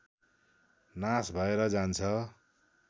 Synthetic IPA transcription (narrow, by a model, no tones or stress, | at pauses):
nasbʱʌeɾʌd͡zant͡sʰʌ